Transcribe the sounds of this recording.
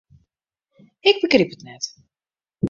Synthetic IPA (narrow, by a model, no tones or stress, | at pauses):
ɪɡ̚bəkripətnɛt